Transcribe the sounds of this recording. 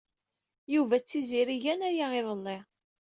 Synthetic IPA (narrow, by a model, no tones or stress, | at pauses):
juvæt͡sːiziɾiʝænæjaɪðˤəlːɪ